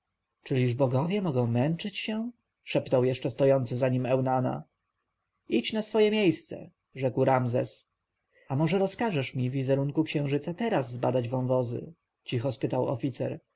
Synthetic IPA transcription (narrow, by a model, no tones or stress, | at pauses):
t͡ʂɘlʲiʐbɔɡɔvʲjɛmɔɡɔ̃w̃mɛnt͡ʂɘt͡ɕɕɛ | ʂɛpnɔwjɛʂt͡ʂɛst̪ɔjɔnt̪sɘzaɲimɛwnana̰ | it͡ɕnasfɔjɛmʲjejst̪sɛ̰ | ʐɛkwɾamzɛ̰s | amɔʐɛɾɔskaʐɛʂmʲivːʲizɛɾuŋkukɕɛ̃w̃ʐɘt̪sat̪ɛɾazːbad̪ad͡ʑvɔ̃w̃vɔzɘ̰ | t͡ɕixɔspɘt̪awɔ̰fʲit̪sɛ̰ɾ